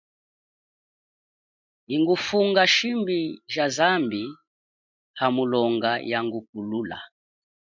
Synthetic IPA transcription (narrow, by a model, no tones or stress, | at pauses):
iŋɡufuŋɡaʃimbiʒazambi | hamulɔŋɡajaŋɡuk̚ulula̰